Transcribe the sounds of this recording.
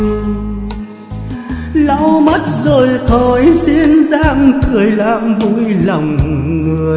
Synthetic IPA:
la˧˥wma˦˥t̚zo˨˩jt̪ʰo˧˩jsi˧˥nzaː˧˥ŋkɨ˨˩əjlaː˧˨mvṵ˧˥jlə˨˩wŋ͡mŋɨ˨˩əj

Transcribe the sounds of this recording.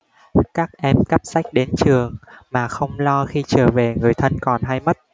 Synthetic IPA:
kaː˦˥k̚ʔɛ˧mka˦˥p̚sa˦˥jk̟̚ɗe˨˦nt͡ɕɨ˨˩əŋmaː˨˩xə˧wŋ͡mlɔ˧xi˧t͡ɕəː˧˩ve˨˩ŋɨ˨˩əjt̪ʰə˧nkɔ˨˩nɦa˧jmə˦˥t̚

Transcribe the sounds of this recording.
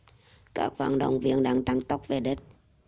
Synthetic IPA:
ka̰ː˦˥k̚va̰ː˧˨˩nɗə̰˨˧˩wŋ͡mvi˧˨ənɗaː˧ŋt̪a˧ŋt̪ə˦˥wk͡p̚ve˨˩ɗi˦˥t̚

